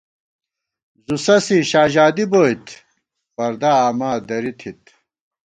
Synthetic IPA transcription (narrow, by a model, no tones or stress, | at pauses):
zusɐsiɕaːʑaːd̪iboːjt̪ʰ | fɐɾd̪aaːmaːd̪ɐɾit̪ʰit̪̚